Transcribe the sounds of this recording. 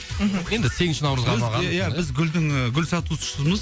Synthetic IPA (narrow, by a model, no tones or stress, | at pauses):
m̩ɦ̩je̞nd̪ɪt̪ʰe̞ŋʃɪnɑwɾəzʁɑzˠʁɑjaɪzɡʲʏld̪ɪŋɡʲʏlsɑt̪usʊ̥ʃəzməz